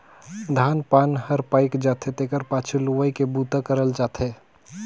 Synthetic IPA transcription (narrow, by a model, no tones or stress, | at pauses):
d̪ʱaːnpaːnhəɾpaːɪkd͡ʒaːt̪ʰet̪ekəɾpaːt͡ʃʰuluʋəikebuːt̪akəɾəld͡ʒaːt̪ʰeː